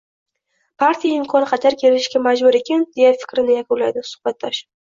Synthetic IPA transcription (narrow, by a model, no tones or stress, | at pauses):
pʰaɾt̪ʰijaɪmkʰɒnɪqʰɑt̪ʰaɾkʲʰe̞lɪʃɡʲamad͡ʒbʊɾe̞kʲand̪̥e̞jafɪ̥kʲɾɪnɪjakʰʲʊnla̰jd̪ɪsʊ̥χbat̪̚ːɒʃ